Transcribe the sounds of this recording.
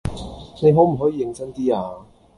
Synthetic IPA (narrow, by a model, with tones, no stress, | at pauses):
ne˨˧jɦo˨˥wm̩˨˩ɦɔː˨˥jiː˨˧jɪ˧ŋsɐ˥ŋt̪iː˥aː˧